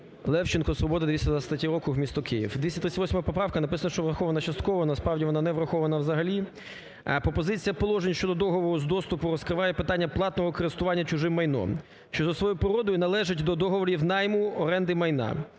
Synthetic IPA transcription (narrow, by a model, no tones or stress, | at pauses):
lˠɛwt͡ʃɪnkɔsʋɔbɔd̪ɐd̪ʋʲisʲɐd̪ʋɐsʲɐt̪ɐtʲiɾɔkʊwmʲist̪ɔkɪjḭwd̪ʲisʲɐt̪ɾɪsʲt̪ʲʋɔsʲmɔɦɐpɔpɾɑwkɐnɐpɪsɐnɐʃt͡ʃɔʋrɐxɔʋɐnɐt͡ʃɐst̪kɔʋɐnɐspɾɑwdʲiʋɔnɑnɛʋɾɐxɔʋɐnɐwzɐɦɐlʲi | pɾɔpɔzɪt͡sʲijɐpɔlˠɔʒenʲʃt͡ʃɔd̪ɔd̪ɔɦɔʋɔɾʊzd̪ɔst̪ʊpʊɾɔskɾɪʋɑjɛpɪt̪ɑnʲːɐplˠɑt̪nɔɦɔkɔɾɪst̪ʊʋɑnʲːɐt͡ʃʊʒɪmːɐjnɔ̰m | ʃt͡ʃɔzɐsʋɔjupɾɪɾɔd̪ɔjʊnɐlˠɛʒɪtʲd̪ɔd̪ɔɦɔʋɔɾʲiwnɑjmʊɔɾɛnd̪ɪmɐjnɑ̰